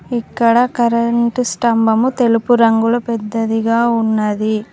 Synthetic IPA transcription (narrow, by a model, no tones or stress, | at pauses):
ikːɐɽɐkɐɾɐɳʈsʈɐmbɐmut̪elupuɾɐŋɡulɐpɛd̪ːɐd̪iɡaːunːɐd̪i